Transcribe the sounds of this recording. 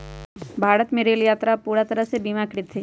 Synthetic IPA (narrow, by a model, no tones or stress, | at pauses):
bʱaːɾət̪meːɾeljaːt̪ɾapuːɾat̪əɾəɦsebimakɽɪt̪ʰːeː